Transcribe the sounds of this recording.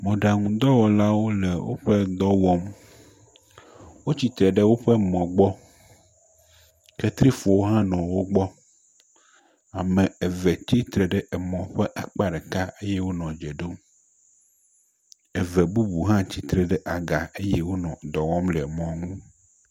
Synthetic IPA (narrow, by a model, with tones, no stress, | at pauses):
mɔ̃˨ɖa˨ŋũ˦d̪ɔ˦wɔ˨la˦wo˦lɛ˨wo̰˦ɸɛ˦d̪ɔ˦wɔ˦m | wo˦t͡ɕi˨t̪ɾɛ˨ɖe˦wo˦ɸɛ˦mɔ̃˨ɡ͡bɔ˦ | ke˦t̪ɾi˦fɔ˨wo˦ɦã˦nɔ̃˨wo˦ɡ͡bɔ˦ | a˨mɛ̃˨e˨vɛ˨t͡ɕi˦t̪ɾɛ˨ɖɛ˦ʔe˨mɔ̃˨ɸɛ˦ʔa˨k͡pa˦ɖe˨ka˦e˦jɛ˦wo˦nɔ̃˨d͡ʒɛ˨ɖo˦m | e˨vɛ˨bu˦bu˨ɦã˦t͡ɕi˦t̪ɾɛ˨ɖɛ˦ʔa˨ɡa˨e˦jɛ˦wo˦nɔ̃˨d̪ɔ˨wɔ˦mlɛ˨mɔ̃˨ŋũ˦